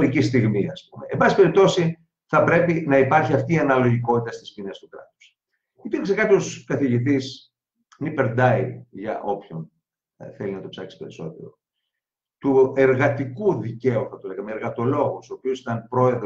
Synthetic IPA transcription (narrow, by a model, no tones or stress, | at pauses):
ɾicist̪iɣmiɐspume̞ːmbɐssipe̞ɾip̚t̪o̞si | θɐpɾe̞pinɐipɐɾçiɐft̪iːɐnɐlo̞ʝiko̞t̪it̪ɐst̪i̥spinest̪ukɾɐt̪u̥s | ipiɾksekɐt̪oskɐθiʝit̪is | nipeɾd̪ɐiʝɐ̰ʔo̞pçon | θelinɐt̪o̞psɐksi̥pe̞ɾiso̞̰t̪e̞̰ɾo̞̰ | t̪ue̞ɾɣɐt̪ikuðice̞uθɐt̪oleɣɐmeːɾɣɐt̪o̞lo̞ɣusopiosi̥t̪ɐnpɾo̞e̞ð